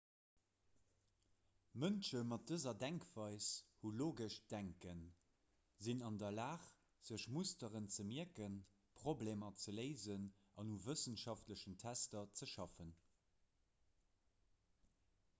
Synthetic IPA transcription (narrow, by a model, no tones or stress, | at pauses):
mənʃəmɑt̚d̥əzɐdæŋkvɑɪshuloːɡəʃd̥æŋkən | zinɑndɐlaːχ | z̥əʃmustəʁənt͡səmiəkən | pʁ̥obleːmɐt͡sələɪzənɑnuvəsənʃɑftləʃəntʰæstɐt͡səʃɑfən